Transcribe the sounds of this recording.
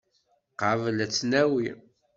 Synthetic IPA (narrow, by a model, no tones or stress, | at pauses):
qəvlæt͡sːnæwi